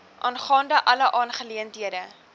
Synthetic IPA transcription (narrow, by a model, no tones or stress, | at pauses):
ʔɑːnχɑːndəʔɐləʔɑːnχəliəntɦiədə